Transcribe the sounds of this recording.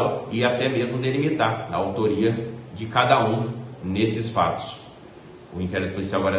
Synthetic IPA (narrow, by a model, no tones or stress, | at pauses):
wɪat̪ɛmezmʊd̪elimit̪aɾɐ̰awt̪oɾiɐd͡ʒɪkad̪ɐũnesɪsfa̰t̪ʊ̥s | ʊĩkɛɾit̪ʊpʊlisiawaɡɔɾɐ